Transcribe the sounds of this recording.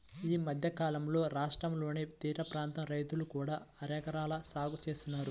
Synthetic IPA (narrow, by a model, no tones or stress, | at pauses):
iːmɐd̪ʱjɐkaːlɐmlo̞ːɾaːʂʈɾɐmlo̞ːnet̪iːɾɐpɾaːnt̪ɐmɾɐjt̪ulukuːɽaːɐɾɐːkɐɾaːlɐsaːɡut͡ʃe̞ːst̪unːaːɾu